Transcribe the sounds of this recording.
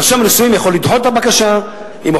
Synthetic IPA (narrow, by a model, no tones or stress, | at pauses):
ʃamanisujimjaχo̞lːid̪ʕo̞t̪̚abakaʃa | im